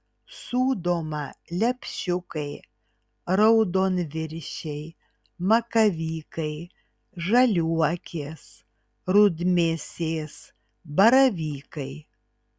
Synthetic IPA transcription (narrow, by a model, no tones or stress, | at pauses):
suːd̪oːmɐlʲɛpʲʃʲʊkɐɪ | ɾɐʊd̪oːnʋʲɪɾʲʃʲɛɪ | mɐkɐʋʲiːkɐɪ | ʒɐlʲuɔkʲeːs | ɾʊd̪ʲmʲesʲeːs | bɐɾɐʋʲiːkɐɪ